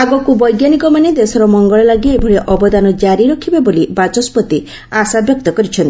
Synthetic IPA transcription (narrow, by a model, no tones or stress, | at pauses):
aɡɔkubɔjɡjanikɔmaned̪esɔɾɔmɔŋɡɔɭɔlaɡiebʱɔɭeʔɔbɔd̪anɔd͡ʒaɾiɾɔkʰibebolibat͡ʃɔspɔt̪i | asabjɔk̚t̪ɔkɔɾit͡ʃʰɔnt̪